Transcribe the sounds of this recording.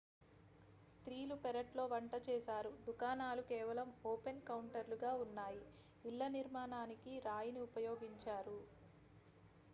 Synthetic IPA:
st̪ɾiːlupɛɾɐʈlo̞ːʋɐɳʈɐt͡ʃɛːsaːɾud̪ukaːnaːlukɛːʋɐlɐmoːpe̞nkɐwɳʈɐɾluɡaːunːaːji | ilːɐniɾmaːnaːnikiɾaːjiniupɐjo̞ːɡiɲt͡ʃaːɾu

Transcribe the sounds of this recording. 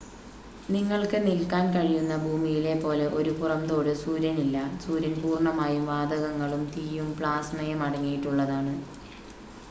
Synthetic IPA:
niŋːɐɭkɨnilkaːnkɐɻijunːɐbʱuːmijile̞pːo̞ːle̞ʔo̞ɾupurɐmt̪o̞ːɽɨsuːɾɐnilːɐsuːɾɐnpuːrɳɐmaːjumʋaːd̪ɐɣɐŋːɐɭumt̪iːjumpɭaːsnɐjɐmɐɽɐŋːijiʈːuɭːɐðaːɳɨ

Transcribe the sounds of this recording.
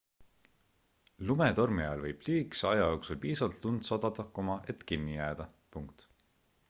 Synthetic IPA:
lumet̪o̞rmiɑɑlvɤjb̥liːksɑjɑjo̞ːksulpiːsɑvɑlt̪lund̪sɑd̪̥ɑd̪ɑkomɑʔe̞t̪kinːijæːd̪̥ɑ | puŋkt̪

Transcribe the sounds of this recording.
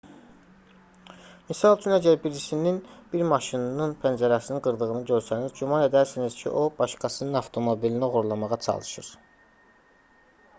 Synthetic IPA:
misɑlˠt͡ʃʰynæɟæɾbiɾisininb̥iɾmɑʃinnɯnpʰænd͡ʒæɾɑsɯnɯnɡɯɾd̪ɯɣɯnɯɟø̞ɾsænizɟumɑne̞d̪æɾsiniz̥cʰḭʔo̞b̥ɑʃkɑsɯnɯnɑvt̪ʰo̞mo̞bilinioɣuɾlˠɑmɑʁɑt͡ʃʰɑ̰lˠɯʃɯ̰ɾ

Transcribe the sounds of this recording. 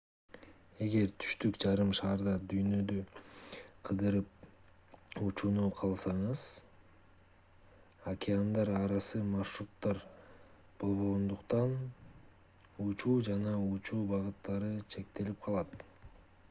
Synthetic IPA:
e̞ɡe̞ɾt̪ʰy̥ʃt̪ykd͡ʒɑɾɯmʃɑːɾd̪ɑd̪yjnø̞d̪ø | qʰɯd̪ɯɾɯp̚ | ut͡ʃuːnuqʰɑlˠsɑɴɯz̥ | akʲɪand̪ɑɾɑɾɑsɯmaʃrut̪ːɑɾ | b̥o̞lˠβo̞ʁond̪uqt̪ɑn | ut͡ʃuːd͡ʒɑnɑut͡ʃuːbɑʁɯt̪ːɑɾɯt͡ʃʰe̞k̚t̪e̞lip̚qʰɑlˠɑt̪

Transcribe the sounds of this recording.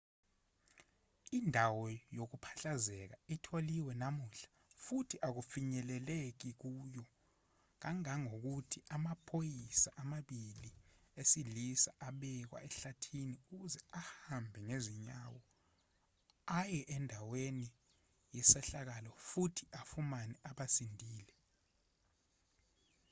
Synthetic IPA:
indʱawɔjok̬upʰḁɬazɛk̬aitʰoliwɛnamuɬḁ | futʰiʔak̬ufiɲɛlɛlek̬ik̬uːjɔ | k̬aŋaŋok̬utʰiʔamapʰojisaʔamaɓiliesilisaʔaɓɛk̬wa̰ɛɬatʰiniuk̬uzɛahambʱɛŋeziɲawɔ | ajɛʔɛndʱaweni | jɛsɛɬak̬alɔfutʰi̥ʔafumanɛʔaɓasindʱiːlɛ

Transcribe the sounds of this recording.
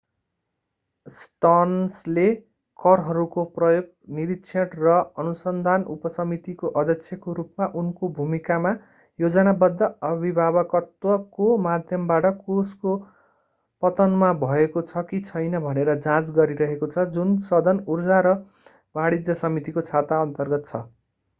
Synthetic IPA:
sʈʌnsle | kʌrɦʌɾukoprʌjoɡ̚ | niɾitsʰjʌʈrʌʌnusʌnd̪ʱanṵpʌsʌmit̪ikoʔʌd̪ʱʌksʰjʌkoɾupmaʔunkobʱumikama | jod͡zʌnabʌd̪ʱːʌʌbʱibʱabʌkʌt̪wʌkomad̪ʱjʌmbaʈʌkosko | pʌt̪ʌnmabʱʌekot͡sʰʌkit͡sʰʌjnʌbʱʌneɾʌd͡zãt͡sɡʌɾiɾʌɦekot͡sʰʌd͡zunsʌd̪ʱʌnurd͡zaɾʌ | baɽid͡zʌsʌmit̪ikot͡sʰat̪aʌnt̪ʌrɡʌt̪̚t͡sʰʌ

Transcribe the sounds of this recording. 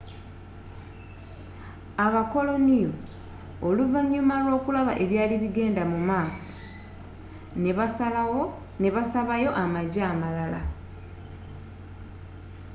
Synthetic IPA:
aβako̞lo̞nijo̞ | oluvaɲːumalwo̞ːkulaβa̰ʔe̞βjaːliβiɡe̞ːndamumaːso̥ | neβ | ne̞βasaβajo̞ʔamaɟaːmalala

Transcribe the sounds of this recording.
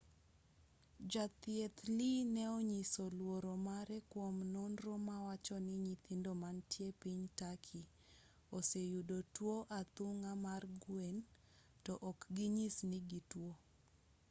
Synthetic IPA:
d͡ʒat̪jet̪linɛoɲisolwoɾomaɾɛkwomnɔnɾomawat͡ʃɔnɪɲit̪indomantjepiɲtakʰi | osejudotwoʔat̪uŋamarɡwen | tɔʔːkɡiɲisnɪɡitwo

